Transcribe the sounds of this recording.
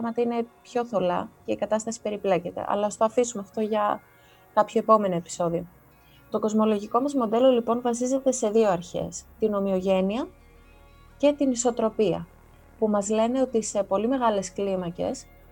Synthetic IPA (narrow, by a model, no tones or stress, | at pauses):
ɣmɐt̪ɐine̞pço̞θo̞lɐ̰ce̞ikɐt̪ɐst̪ɐsi̥pe̞ɾiplece̞t̪e̞̰ʔɐ̰lɐost̪oɐfisumeɐft̪o̞ʝɐ | kɐpçoepo̞me̞noe̞pi̥so̞ðio̞ | t̪o̞ko̞zmo̞lo̞ʝiko̞mɐzmo̞d̪e̞lo̞lipo̞nvɐs̬ize̞t̪e̞se̞ðio̞ɐɾçe̞̰st̪ino̞mio̞ʝe̞niɐ | ce̞t̪iniso̞t̪ɾo̞piɐ̰ | pumɐzle̞ne̞o̞t̪ise̞po̞lime̞ɣɐle̞sklimɐce̞̰s